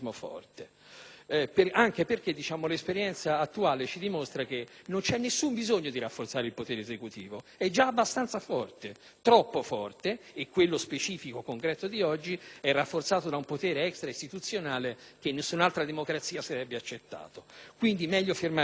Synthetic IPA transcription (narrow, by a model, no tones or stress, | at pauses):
mofɔ̰rt̪e | peaŋkeperk̟ed̪ːit͡ʃaːmolespeɾjɛnt̪saːt̪ːuaːlet͡ʃid̪imost̪ɾak̟enːont͡ʃɛnːesːumbizoɲːod̪iɾafːort̪saːɾeɪilpot̪eːɾezekut̪iːvoɛd͡ʒaːbːast̪ant̪safɔrt̪e | t̪ɾɔpːofɔrt̪eːkːwelːospet͡ʃiːfikokoŋkɾɛːt̪od̪iɔd͡ʒːiɛrːafːort̪saːt̪od̪aumpot̪ɛːɾeɛkst̪ɾaist̪it̪ut̪sːjonaːlek̟enːesːunalt̪ɾad̪emokɾat̪siːasaɾɛbːeat͡ʃːet̪ːa̰ːt̪okwind̪imɛʎːofirma